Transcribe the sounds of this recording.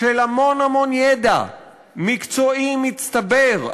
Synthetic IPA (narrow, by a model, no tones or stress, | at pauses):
ʃelamo̞namo̞njed̪a̰ | mikt͡so̞imitt͡st̪abeʁ